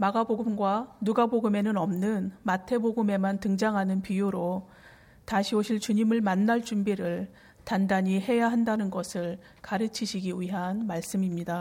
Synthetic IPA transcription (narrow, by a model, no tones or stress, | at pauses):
maɡaboɡɯmɡwanuɡaboɡɯme̞nɯnʌmnɯnmatʰe̞boɡɯme̞mantɯŋd͡ʑaŋɦanɯnpijuɾo | taɕʰioɕʰiɭt͡ɕuɲimɯɭmanːaɭt͡ɕumbiɾɯɭ | tandaɲiɦe̞jaɦandanɯnɡʌsʰɯɭ | kaɾɯt͡ɕʰiɕʰiɡiwɥiɦanmaɭs͈ɯmimɲida